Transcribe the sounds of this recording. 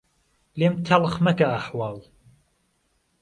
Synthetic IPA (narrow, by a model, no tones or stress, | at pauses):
leːmt̪ʰɐlxmɐkaaħwɑːlˠ